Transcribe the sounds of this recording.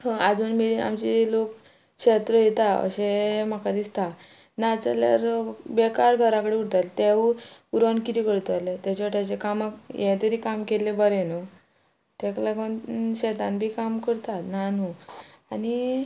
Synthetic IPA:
hə̃ad͡zuːnmeɾia̰mt͡ɕilok | kɕet̪ɾəjet̪aə̰ɕem̤akad̪ist̪a | nat͡sa̰lja̰ɾbekaɾɡʱəɾãkəɽeuɽt̪alt̪eʋuuɾʋankiɾikəɽt̪alet̪jat͡ɕaʈjat͡ɕekamakjɛ̃t̪əɾiːkamkelebəɾeno | t̪ɛklaɡənɕɛt̪anbʱiːkamkəɾt̪at̪nanuani

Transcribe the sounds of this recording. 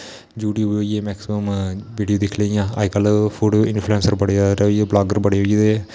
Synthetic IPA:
d͡ʒuːʈiɦooːieːmɛːksɪməmʋiːɖijoːd̪ɪkʰlejãːa̰ːikəlpʰuːɖoɪnpʰluẽːnsəɾbəɽeaɾieːblaːɡəɾbəɽeɦoieː

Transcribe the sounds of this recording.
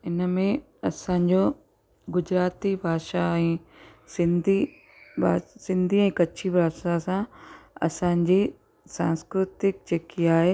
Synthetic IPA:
ɪnəmẽ | ɐsãɲd͡ʑo | ɡʊd͡ʑɾaːt̪ibʱaːʃaɛ̃ː | sɪ̃nd̪ʱi | bʱaːsɪ̃nd̪ʱiɛ̃ːkɐt͡ɕʰibʱaːʃasãɐ̰sãːɲd͡ʑiː | sãːnskɾɪt̪ɪk̚d͡ʑeːkiaːɦe

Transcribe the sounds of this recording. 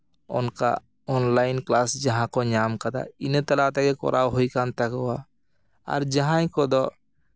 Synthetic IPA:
o̰nka̰ | ɔnlaːɪnklaːsd͡ʒɐɦãkoɲaːmkəd̪a̰inet̪ɐlat̪ɛkekɔ̰ɾʔaːwɦoikant̪əkowa | a̰ɾd͡ʒəɦãĩkod̪ɔ

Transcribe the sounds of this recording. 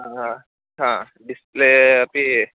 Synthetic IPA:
aɦã | ɦã | ɖispleɐpi

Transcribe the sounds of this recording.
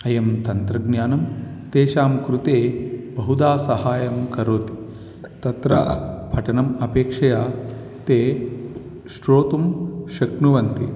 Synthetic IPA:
ɐjɐmt̪ɐnt̪ɾɐɡnjaːnɐmt̪eːʃaːmkɾut̪eːbɐɦud̪aːsɐhaːjɐmkɐɾoːt̪i̥ | t̪ɐt̪ɾɐ̰pʰɐʈɐnɐmɐpeːkʂɐjaː | t̪eː | ʃɾoːt̪umʃɐkɳuʋɐnt̪i

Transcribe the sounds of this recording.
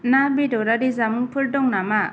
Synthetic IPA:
nabidɔɾaɾizamɯŋpʰɯɾdɔŋnama

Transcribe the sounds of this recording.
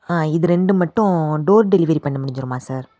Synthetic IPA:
aːɪðɯɾɛɳɖɯmɐʈːʊ̃ɖoːɾɖɛlɪʋɐɾipɐɳːɐmʊɽɪɲd͡ʒɪɾɯmaːsaːɾ

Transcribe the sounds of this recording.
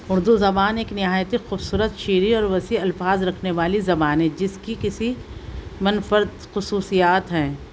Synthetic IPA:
ʊɾd̪uzɐbaːneːknɪɦaːjt̪ixuːbsuːɾət̪ʃiːɾiɔːɾʋɐsiɐlfaːzɾɐkʰneʋaːlizɐbaːnɦɛ̃ːd͡ʒɪskikɪsi | mɐnfəɾd̪xʊsuːsijaːt̪ɦɛ̃ː

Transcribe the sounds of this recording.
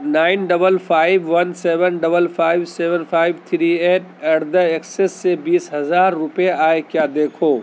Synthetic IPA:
naːɪnɖɐbəlpʰaːɪʋʋɐnseːʋənɖɐbəlpʰaːɪʋseːʋənpʰaːɪʋt̪ʰɾiːeːʈɐɾd̪əeksɪsːebiːsɦɐzaːɾːʊpeaːekjaːd̪eːkʰoː

